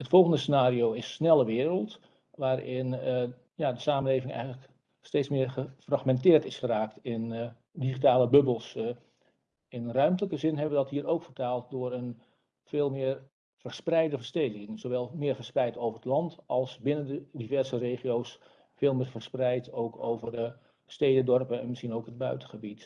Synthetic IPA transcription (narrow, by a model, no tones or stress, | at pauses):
ɦətfɔlˠχəndəsənaːɾiowɪsːnɛlˠəʋɪːɾəlˠt | ʋaːɾɪn | jadəsaːmənleːvɪŋɛ̰jɣələk | steːtt͡ssmɪːɹχəfrɑχmɛntɪːrtɪsχəraːktɪn | diχitaːləbɵbəlˠs | ɪnrœɥmtələkəzɪnɦɛbəʋədɑtɦiːrowkfərtaːlˠt̚dʊːɾən | veːlˠmɪːr | v̥əɹsprɛjdəvərstejdɪŋz̥owʋɛlˠmɪːɹvəɹsprɛjtowvəɹətlɑntɑlˠsbɪnəndədivɛrzəreːχiows | feːlˠmɪːɹvəsprɛjtowkʰowvərdə | steːdədɔrpəɛnməsχinowkɦəd̚bœɥtəχəbit